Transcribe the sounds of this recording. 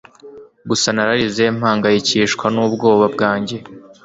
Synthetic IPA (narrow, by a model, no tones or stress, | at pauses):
ɡusanaɾaɾize̞m̥haːŋɡajiciːʃkwanuːbɡo̞ːβab̚ɡaːɲɟe̞